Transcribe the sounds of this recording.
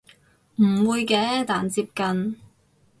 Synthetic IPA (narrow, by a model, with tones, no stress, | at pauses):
m̩˨˩wuː˧jkɛː˨˧˥t̪aː˨nt͡siː˧p̚kɐ˧n